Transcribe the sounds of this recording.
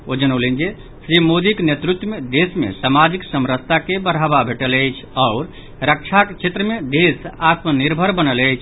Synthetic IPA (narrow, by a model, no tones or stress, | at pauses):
od͡ʒənəlend͡ʒe | sɾimod̪iknet̪ɾut̪wəmed̪esmḛsamad͡ʒiksəmɾəst̪ʰakebəɾ̤ʱababʱeʈələjt͡ʃʰɔʊɾ | ɾək̚t͡ʃʰakt͡ʃʰet̪ɾəmed̪esat̪məniɾbʱəɾbənələjt͡ʃʰ